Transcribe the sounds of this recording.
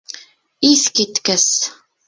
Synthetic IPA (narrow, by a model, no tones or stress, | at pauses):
iθkit̪kæs